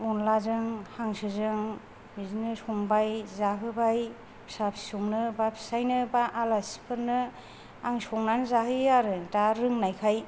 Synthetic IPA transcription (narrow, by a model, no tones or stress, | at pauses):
unlazɯŋhaŋsɯzɯŋ | bizinɯsɔŋbajzaɦɯbaj | pʰi̥sapʰi̥sɔŋnɯbapʰi̥sajnɯbaʔalasi̥pʰɯnɯ | aŋsɔŋnanzaɦɯaɾɯtaɾɯŋnajkʰaj